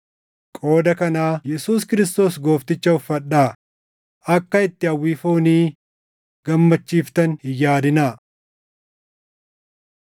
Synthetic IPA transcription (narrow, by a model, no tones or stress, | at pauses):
kʼo̞ːd̪ɐkɐnaːjɛsuːskɪɾɪst̪o̞ːsɡo̞ːft̪ɪt͡ʃːɐʊfːɐɗaː | ɐkːɐɪt̪ːɪɐwːiːfoːniː | ɡ̥ɐmːɐt͡ʃːiːft̪ɐnhɪjaːd̪ɪnaː